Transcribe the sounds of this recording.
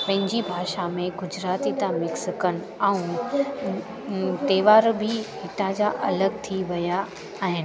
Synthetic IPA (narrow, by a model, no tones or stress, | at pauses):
pɐ̃ɦɪ̃ɲd͡ʑibʱaːʃamẽɡʊd͡ʑɾaːt̪it̪ãmɪksɪkənɪ̆aũ | t̪eːʋaːɾbʱɪɦɪʈ̪ãd͡ʑaʔɐləɡ̚t̪ʰiʋɐjaː | ɦɪnɪ̆